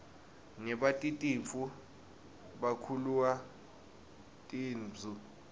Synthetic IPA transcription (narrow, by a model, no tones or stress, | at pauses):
nɛɓatʼitʼiɱfu | ɓakʰuluwa | tʼiːnd͡zʱu